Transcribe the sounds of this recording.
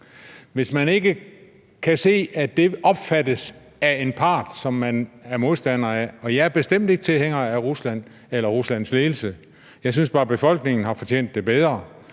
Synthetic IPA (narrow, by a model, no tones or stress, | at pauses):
ʋe̝smæne̝ɡ̥ə | kʰæse̝̰ːæd̥e̝ʔɒ̽b̥fædəs | æe̝npʰɑ̈ːd̥sɒ̽mːænæɐmo̝ðˠsd̥æn̰ɐæɒ̽jɑ̈æɐb̥e̝sd̥em̰d̥e̝ɡ̥ə̥t͡sʰe̝lheŋ̰ɐæʁuslæn̰ | elɐʁuslæn̰sleːl̩sə | jɑ̈ɪs̬ynsb̥ɑ̈ːb̥e̝fɒ̽l̰ɡ̥ne̝ŋn̩ɦɑ̈fɒ̽t͡ɕʰḛːn̰d̥ːe̝b̥eð̞ˠʁɐ